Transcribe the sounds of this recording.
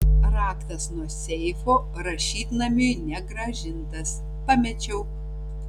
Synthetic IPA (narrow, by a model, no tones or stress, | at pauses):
ɾɑːkt̪ɐsnuɔsʲɛɪfoːpɐɾɐʃʲiːt̪ʲnɐmʲonʲɛɡɾɐʒʲɪnt̪ɐs | pɑːmʲɛt͡ʃʲɛʊ